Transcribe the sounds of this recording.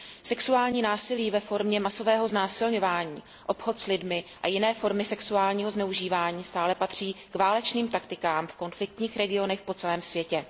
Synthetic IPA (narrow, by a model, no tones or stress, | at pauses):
sɛksuaːlɲiːnaːsɪliːvɛfo̞ɾmɲɛmaso̞vɛːɦo̞znaːsɪlɲo̞vaːɲiː | ʔo̞pxo̞t̪slɪdmɪʔajɪnɛːfo̞ɾmɪsɛksuaːlɲiːɦoznɛuʒiːvaːɲiːst̪aːlɛpat̪r̝̥iːkvaːlɛt͡ʃniːmt̪akt̪ɪkaːmfko̞nflɪk̚t̪ɲiːxɾɛɡɪo̞nɛxpo̞t͡sɛlɛːmsvjɛcɛ